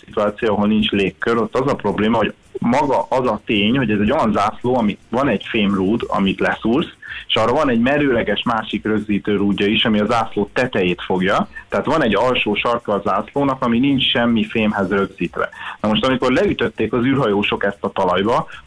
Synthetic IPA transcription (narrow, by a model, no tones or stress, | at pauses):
sit̪uaːt̪sijoɒɦo̞lnint͡ʃleːkːøɾo̞t̪ːɒzɒpro̞bleːmɒɦoɟ | mɒɡɒʔɒzɒt̪eːɲho̞ɟɛzɛɟo̞jɒnzaːsloːɒmivɒnɛɟfeːmruːd̪ɒ̰mit̪lɛsuːrseʃɒːrːɒvɒnɛɟmɛɾøːlɛɡɛʃmaːʃikrø̞ɡziːt̪øːɾuːɟːɒiʃɒmiɒzaːsloːt̪ɛt̪ɛjeːt̪fo̞ɡjɒt̪ɛɦaːt̪ʋɒnɛɟːɒlʃoːʃɒrkɒːzaːsloːnɒkɒminint͡ʃʃɛmːifeːmɦɛzrø̞ɡziːt̪ʋɛ̰nɒmo̞ʃt̪ɒmiko̞rlɛyt̪ø̞t̪ːeːkɒzyːrɦɒjoːʃo̞kɛst̪ɒt̪ɒlɒjbɒ